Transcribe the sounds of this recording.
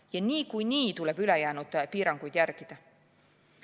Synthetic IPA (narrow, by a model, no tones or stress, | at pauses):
jɑniːkujniːt̪ule̞b̥ylejæːnud̪̥piːɾɑŋɡ̥ujd̪jærɡ̥id̪̥ɑ